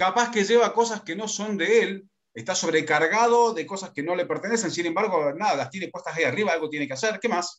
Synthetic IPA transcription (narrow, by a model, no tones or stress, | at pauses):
kapaskeʒeβako̞saskeno̞so̞nd̪eel | est̪aso̞βɾekaɾɣað̞o̞ðeko̞saskeno̞lepeɾt̪enes̬ensinembaɾɣonaðalast̪jenepwest̪asajariβaalɣot̪jenekeaseɾkemas